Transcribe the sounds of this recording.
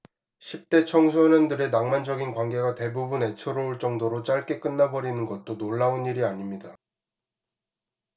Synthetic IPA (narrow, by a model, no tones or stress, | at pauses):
ɕʰip̚t͈e̞t͡ɕʰʌŋsʰʌɲʌndɯɾe̞naŋmand͡ʑʌɡinkwaŋɡe̞ɡate̞bubune̞t͡ɕʰoɾouɭt͡ɕ͈ʌŋdoɾot͡ɕ͈aɭk͈e̞k͈ɯnːabʌɾinɯnɡʌt̚t͈onoɭːaoniɾiaɲimɲida